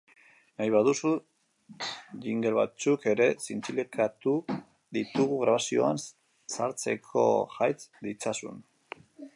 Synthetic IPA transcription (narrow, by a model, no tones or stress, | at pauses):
najβaðusu | ʝiŋɡe̞lβa̰t͡suke̞ɾe̞sint͡silikʰat̪u | ðit̪uɣuɣɾaβ̞asio̞̰a̰n | saɾt͡se̞̰kʰo̞̰ʝajt͡sd̪it͡sasṵn